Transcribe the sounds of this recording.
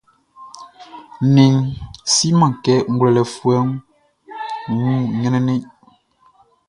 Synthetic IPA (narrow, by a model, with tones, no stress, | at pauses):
ni˨ŋsi˦mã˨ŋkɛ˦ŋ̩˦ɡwlɛ˨lɛ˨fwɛ˦ŋ | wu˦˨ɲɛ˦nɛ˦ne˦˨